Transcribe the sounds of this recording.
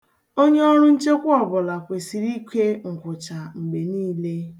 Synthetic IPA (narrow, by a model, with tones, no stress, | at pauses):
o˦ɲe˦ɔ˦ɾʊ˦n̩˦t͡ʃe˦kʷʊ˦ɔ˨bʊ˨la˨kʷe˨si˨ɾi˦kʷe˦ŋ̩˨kʷʊ˨t͡ʃa˨ŋ͡m̩˨ɡ͡be˨niː˦le˦